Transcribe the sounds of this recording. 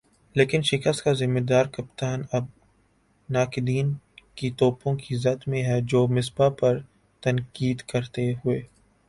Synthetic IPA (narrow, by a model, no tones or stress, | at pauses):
leːkɪnʃɪkəst̪kazɪmːed̪aːɾkɐpt̪aːnɐb̚ | naːkɪd̪iːn | kit̪ɔːpõkizɐt̪mẽɦɛd͡ʒoːmɪsbapɐɾ | t̪ɐ̃nkiːd̪kɐɾt̪eɦʊeː